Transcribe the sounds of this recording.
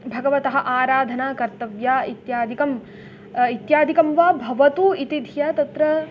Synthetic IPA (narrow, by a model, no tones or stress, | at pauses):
bʱɐɡɐʋɐt̪ɐɦɐ̆ʔaːɾaːd̪ʱɐnaːkɐɾt̪ɐʋjaːit̪jaːd̪ʱikɐm | it̪jaːd̪ʱikɐmʋaːbʱɐʋɐt̪uːit̪id̪ʱijaːt̪ɐt̪ɾɐ